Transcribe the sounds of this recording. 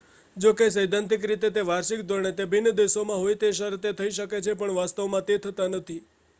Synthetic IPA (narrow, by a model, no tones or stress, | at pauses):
d͡ʒokesəjd̪ʱãnt̪ɪk̬ɾit̪et̪eʋaɾʃikd̪ʱoɾɳet̪ebʱɪnːd̪eʃomãɦojt̪eʃəɾt̪et̪ʰəiʃəket͡ʃʰepəɳʋast̪əʋmãt̪et̪ʰət̪anət̪ʰi